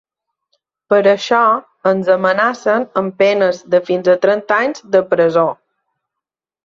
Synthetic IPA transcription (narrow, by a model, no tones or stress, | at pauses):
pəɾəʃɔ | ənzəmənasənəmpɛnəzðəfinzət̪ɾɛnt̪aɲzðəpɾəzo